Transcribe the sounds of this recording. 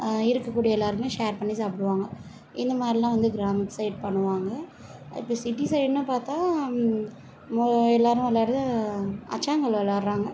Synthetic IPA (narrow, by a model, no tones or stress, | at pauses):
ɪɾɯkːɐkːuːɽijɐɛlːaːɾɯmeːʂeːɾpɐɳːisaːpːɐɽɯʋaːŋɡɐ | ɪ̰nd̪ɐmaːd̪ɾilãːʋɐnd̪ɯɡɾaːmɪʈːsɐɪʈ̚pɐɳːɯʋaːŋɡɐ | ɪ̰pːoːsɪʈːisɐɪʈnɯpaːɾt̪ãː | ɛlːaːɾʊ̃ɛlːaːɾɯɯɐ̰t͡ʃːaːŋɡɐɭʋɐlːaːɾɾaːŋɡɐ